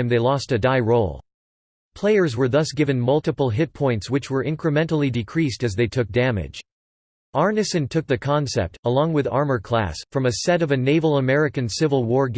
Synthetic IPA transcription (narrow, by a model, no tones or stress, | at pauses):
mðeɪlɔstɨdaɪɹoʊlˠ | pʰl̥eɪə˞zwə˞ðʌsɡ̥ɪvɨ̃nmʌlˠtɨpl̩ˠɦɪt̚pʰɔ̃ɪ̃ntswɨt͡ʃwə˞ʔɪ̃nkɹɨmɛ̃ntl̩ˠidɨkʰɹ̥istɨzðeɪtʰʊk̚d̥æmɪ̰d̥ʒ̥ | ʔɑɹnɨsɨ̃ntʰʊk̚ðɨkʰɑ̃nsɛ̰p̚təlɔ̃ŋwɨðɑ̰ɹmə˞kʰl̥æ̰sfɹʌ̃mɨsɛɾʌvɨneɪvl̩ˠəmɛɹɨkɨ̃nsɪvl̩ˠwɔɹɡ